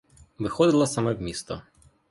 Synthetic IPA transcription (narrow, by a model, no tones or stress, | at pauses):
ʋɪxɔd̪ɪlˠɐsamɛwmʲist̪ɔ